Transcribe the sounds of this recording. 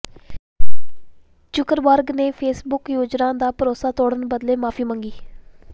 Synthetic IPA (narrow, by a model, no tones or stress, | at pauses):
t͡ʃʊkəɾbəɾɡneːpʰeːsbʊkjoːd͡ʒnãːd̪aːpəɾoːsaːt̪ɔːɽənbəd̪leːmaːpʰiːməŋɡiː